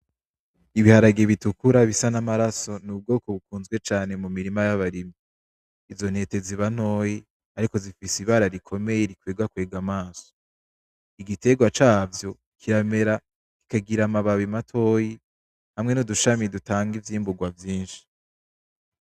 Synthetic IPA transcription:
iβihaɾaɡeβitukuɾaβisanamaɾaso̞nub̚ɡo̞ːko̞βukuːnzɡwe̞t͡ʃaːne̞mumiɾimajaβaɾimi | izo̞n̥he̞ːte̞ziβan̥o̞ːji | aɾiko̞zifisiβaɾaɾikʰo̞me̞je̞ɾikweːɡakwe̞ːɡamaːso̥ | iɡite̞ɡwat͡ʃaːvjo̞ | kʰiɾame̞ɾa | ki̥kaɡiɾamaβaβimatʰo̞ːji | hamŋe̞nuduʃamidutaːŋɡivjiːmbuɡwavjiːnʃi̥

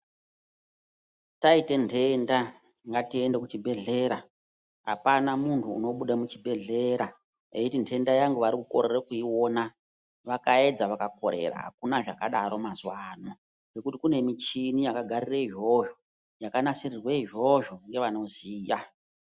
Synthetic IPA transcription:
taite̞ntʰe̞nda | ŋɡatie̞ndekut͡ʃibʱe̞ɮe̞ɾa | ɦa̰panamuntʰṵːno̞ɓuɗamut͡ʃibʱe̞ɮe̞ɾa | ekutintʰe̞ndajaŋɡuʋaɾikuko̞ɾerekuiwo̞na | ʋakae̞d͡zaʋakako̞̰ɾe̞̰ɾa̰ɦa̰kunaʐakaɗaɾo̞mazwaːno | ŋɡe̞kutikune̞mit͡ʃinijakaɡʱarireiʐo̞ʒo | jakanasirirweiʐo̞ʒoŋɡe̞ʋano̞ziːja

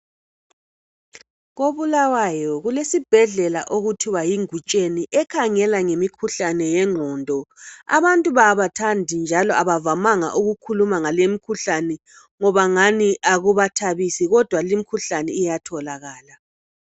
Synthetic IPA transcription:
ɣoβulawajɔɣulesib̥ʱɛɮɛla̰ʔoɣutʰuβajiŋut͡ʃʼeniʔɛkʰaŋɛlaŋemikʰuɬanɛjɛŋ͡ǃʱɔːndʱɔa̰βantʼuβaβatʰandʱind͡ʒʱalɔaβavamaŋa̰ʔuɣukʰulumaŋalemikʰuɬanɛ | ŋɔβaŋaniʔaɣuβatʰaβisiɣɔd̥ʱwalimikʰuɬanɛijatʰɔlaɣaːla

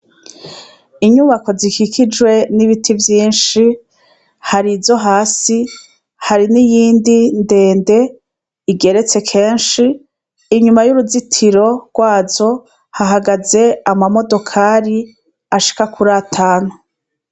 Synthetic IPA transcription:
iɲuːβako̞zikikʰid͡ʒwe̞niβitʰivjiːnʃi | haɾivzo̞ɦaːsi | haɾinijiːndinde̞ːnde̞ | iɡe̞ɾe̞t͡se̞kʰe̞ːnʃiː | ɲumajuɾuzitʰiɾo̞ɾɡ̥waːzo̞ | haɦaɡaze̞amamo̞do̞kʰaːɾi | aʃi̥kakuɾaːtʰaːno

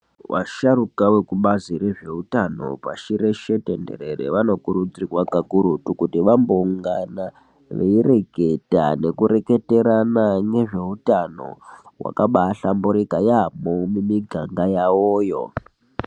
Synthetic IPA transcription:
wʔa̰ʃarukawekuɓaziɾe̞ʐe̞utano̞̰pa̰ʃiɾe̞ʃe̞tende̞̰ɾe̞rḛʋano̞kuɾud͡zirwakaɡʱuɾutukutiʋambouŋɡana | ʋeire̞ɡʱe̞ta̰ne̞kuɾe̞ke̞te̞ɾanane̞ʐe̞utano̞̰wa̰kaɓaɬamboɾikajamomimiɡʱaŋɡajawoːjo̞̰

